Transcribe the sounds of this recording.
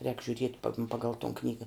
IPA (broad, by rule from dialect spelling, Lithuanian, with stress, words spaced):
rʲɛːk ʒʲʊˈrʲiɛtʲ pɐ ˈpɑːɡɐlˠ toːn ˈknʲiːɡɐ